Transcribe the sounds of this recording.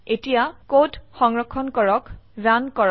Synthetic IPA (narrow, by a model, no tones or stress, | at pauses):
etijakotxɔŋɹɔkʰːɔnkɔɹɔkɹankɔɹɔ